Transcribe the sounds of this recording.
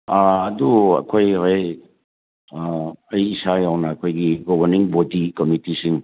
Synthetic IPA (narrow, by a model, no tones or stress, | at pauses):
aɐduɐ̰kʰojaj | ɐjːsajawnɐːkʰojɡiɡɔbʱɐɾniŋbodikomitisiŋ